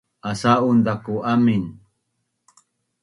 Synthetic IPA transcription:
asaund̪akuʔamin

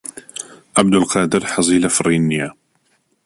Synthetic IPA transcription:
ʔabd̪əlqɑːd̪əɾħɑzˤiːlafrˤinːija

